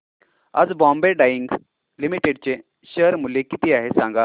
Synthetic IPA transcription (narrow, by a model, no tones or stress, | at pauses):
a̰d͡zbɔ̃mbeɖaiŋɡ | limiʈeɖt͡ɕe | ɕəɾmulekit̪iaɦesãŋɡa